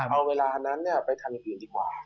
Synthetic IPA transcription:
ʔa˧wweː˧˨laː˧hə˧na˧˦˥nːɛ˧˥˩pa˧˦jt̪ʰa˧˩n˧˨pi˨˧˨nd̪i˦˨˩mwaː˨˩

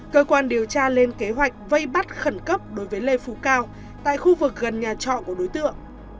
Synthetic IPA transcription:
kəː˧kwaː˧nɗi˨˩əwt͡ɕaː˧le˧nke˨˦ɦwa˨˩jk̟̚və˧jɓa˦˥t̚xə˧˩nkə˦˥p̚ɗo˨˦jvəː˨˦jle˨˩fu˧˩kaː˧w | t̪a̰ː˧˨jxu˧vɨ˨˩k̚ɣə˨˩nɲaː˨˩t͡ɕɔ̰˧˨ku˧˩əɗo˨˦jt̪ɨ̰˧˨əŋ

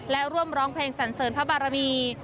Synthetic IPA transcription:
lɛ˦˥ɾu˥˩əmɾɔː˦˥ŋpʰleː˧ŋsa˩˦nsɤː˩˦npʰa˦˥baː˨˩ɾa˧miː˧

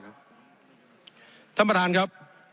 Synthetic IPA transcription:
t̪ʰa˧˥˩mːa˧daː˨˧nkʰa˦˥p̚

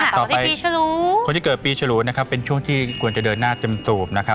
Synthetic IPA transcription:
t̪ɔː˨˩pːa˧ji˧t͡ɕʰa˧luː˦˥o˧nt̪ʰiː˥kɤː˨˩t̪piː˧t͡ɕʰa˧luː˦˥na˦˥kʰa˦˥pːe˧nt͡ɕʰu˥˩əŋt̪ʰiː˥˩kʰu˧ənt͡ɕa˨˩dəɤː˧nːaː˥˩t̪e˧msuː˨˩p̚na˦kʰa˦˥

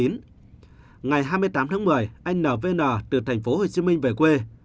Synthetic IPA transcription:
i˨˦n | ŋa˨˩jɦaː˧jmɨ˧əjt̪aː˨˦mt̪ʰaː˨˦ŋmɨ˨˩əjʔa˧jŋ̟nəː˧˩ve˧nəː˧˩t̪ɨ˨˩t̪ʰŋ̟fo˨˦ho˨˩t͡ɕi˨˦mï˧ŋ̟ve˧˨˩kwe˧

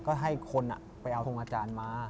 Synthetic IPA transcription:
kɔː˥˩ɦa˥˩jkʰo˧nʔa̰˨˩ | pa˧jʔa˧oː˧ŋʔaː˧t͡ɕaː˧nmaː˧

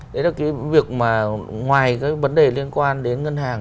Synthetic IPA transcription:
ɗe˨˦aː˨˩kaː˨˦vi˨˩ək̚maː˨˩ŋwaː˨˩jkaː˨˦˥jvə˨˦nɗe˨˩li˧ənkwaː˧nɗe˨˦nŋə˧nɦaː˨˩ŋ

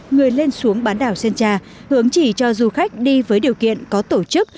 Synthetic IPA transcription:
ŋɨ˨˩əjle˧nsu˨˦əŋɓaː˨˦nɗaː˧˩wsɛ˧nt͡ɕaː˧ | hɨ˨˦əŋt͡ɕi˧˩t͡ɕɔ˧zu˨˧˩xa˦˥jk̟̚ɗi˧vəː˨˦jɗi˨˩əwkḭ˧˨ənkɔ˨˦t̪o˧˩t͡ɕɨ˦˥k̚

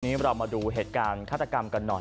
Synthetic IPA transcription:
niː˦˥ɾɔː˧wmaː˧duː˧ɦeː˨˩t̪̚kaː˧nkʰaː˥˩t̪ʰːa˧ka˧mka˧nːɔ˨˩

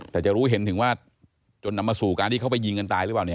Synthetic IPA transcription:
t̪ɛː˨˩t͡ɕa˨˩ɾuː˦˥ɦe˩˦nt̪ɯ˨˩˦ŋwaː˥˩ | t͡ɕo˧nːa˧mːaː˧suː˨˩kaː˧nt̪ʰiː˥˩a˥wpa˧ji˧ŋka˧nt̪aː˧jɾɯ˦˥paː˨˩ni˦˥˩

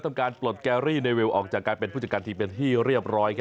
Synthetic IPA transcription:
t̪ʰa˧mkaː˧nplo˨˩t̪̚kɛː˧ɾiː˥˩neː˧we˧wʔɔː˨˩k̚t͡ɕaː˨˩kːaː˧npe˧ntpuː˥˩t͡ɕa˨˩ka˧t̪iː˧pe˧nt̪ʰiː˥˩ɾi˥˩əp̚ɾɔː˦˥jkʰ

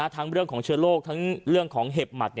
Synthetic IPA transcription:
a˧˥˩t̪ʰaː˦˥ŋɾɯ˥˩əŋkʰɔː˩˦ŋt͡ɕʰɯː˧˥əloː˥˩k̚t̪ʰa˦˥ŋɾɯ˥˩əŋkʰɔː˩˦ŋɦe˨˩p̚ma˨˩t̪̚n˧

